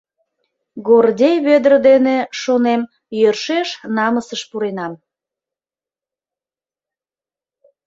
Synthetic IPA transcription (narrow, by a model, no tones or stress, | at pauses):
ɡordʲejβød̪ərd̪eneʃonem | jørʃeʃnɑməsəʃpuɾenɑm